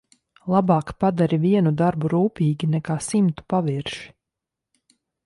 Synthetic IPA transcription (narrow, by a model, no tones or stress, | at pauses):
lˠabɑːkpad̪aɾiviɛnud̪aɾbuɾuːpʲiːɡʲinɛkaːsimt̪u̥paʋiɾʃi̥